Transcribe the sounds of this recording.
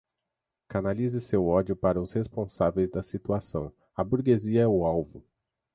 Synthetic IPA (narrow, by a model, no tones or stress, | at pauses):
kanalizɪsewɔd͡ʒjʊpaɾɐʊshespõsavejzd̪ɐsit̪uasɐ̰̃w̃ | ɐbuɾɡeziɐɛʊawvʊ